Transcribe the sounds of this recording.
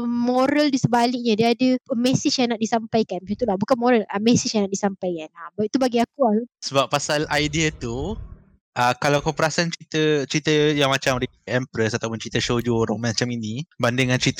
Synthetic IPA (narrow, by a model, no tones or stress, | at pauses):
moɾəldisəbalɪk̚ɲadiadəmɛsɪsjaŋnaʔdisampajkanant̪ulahbukanmɔɾəlamɛsisjãŋnaʔdisampajkanabait̪ubaɡiakuasəbapːasalajdiat̪u | ʔəkalawkɔmpɾasant͡ʃit̪ət͡ʃɾit̪əjaŋmat͡ʃamdiɛmpɾəsat̪awpʊnt͡ʃit̪əʃod͡ʒoɾaŋmat͡ʃaminibandɪŋant͡ʃɾit̪